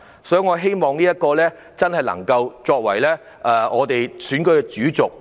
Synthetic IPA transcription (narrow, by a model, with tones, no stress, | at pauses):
sɔː˨˥˨ŋɔː˨˧ɦe˥jmɔː˨ŋniː˥jɐ˥t̚kɔː˧lɛː˥ | t͡sɐ˥nhɐ˨jlɐ̰˨˩ŋkɐ˧wt͡sɔː˧k̚wɐ̰˨˩jlɛː˥ | ʔɛː˨˩ŋɔː˨˧t̪e˨jsyː˨˥nkɵ˧˥ɥkɛ˧t͡syː˨˥t͡sʊ˨k̚